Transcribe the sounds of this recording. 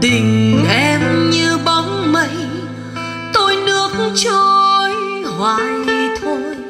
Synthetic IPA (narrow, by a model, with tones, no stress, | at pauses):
ɗ̪ï˨˩ŋ̟ʔɛ˧mɲɨ˧ɓɔ˨˦ŋ͡mmə˨˧˦j | t̪o˧jnɨ˧˥ək̚t͡ɕɔ˧jɦwa̰ː˧˨ɗi˧t̪ʰo˧j